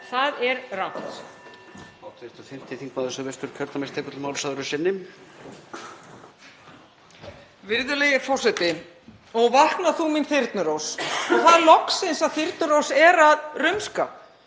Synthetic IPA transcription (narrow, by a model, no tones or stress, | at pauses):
θaðɛɾrawht̪ | aːwt̪ʰðɪɾt̪aθɪm̥t̪ʰɪθiŋk̚maːðʏsœvɛst̪ʏɾkʰœɾt̪amest̪ʰɛːkʏt̪lmaːwlsaðʏɾʏsɛnːɪm | vɪɾðʏlejɪfɔr̥sɛt̪ɪ | ɔɣvahknaθuminθɪɾt̪nʏɾowsɔɣθaðlɔksɪnsaðθɪɾt̪̚nʏɾowsɛɾaðrʏmska